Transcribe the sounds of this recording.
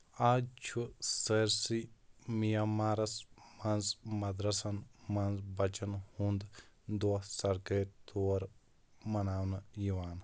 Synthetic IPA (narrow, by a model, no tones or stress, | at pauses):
aːt͡ʃʰuseɾsimijamaːɾɐsmɐnzmɐd̪ɾɐsɐnmɐnzbɐt͡ʃɐnhũnd̪d̪osɐɾkeːt̪ʰoːɐɾ | mɐnaːwnjiʋaːn